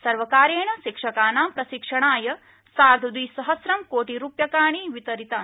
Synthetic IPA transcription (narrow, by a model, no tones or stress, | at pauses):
sɐɾʋɐkaːɾeːɳɐʃikʂɐkaːnaːmpɾɐʃikʂɐɳaːjɐ | saːɾd̪ʱɐd̪ʋiːsɐɦɐsɾɐmkoːʈiɾuːpjɐkaːɳ̃iʋit̪ɐɾit̪aː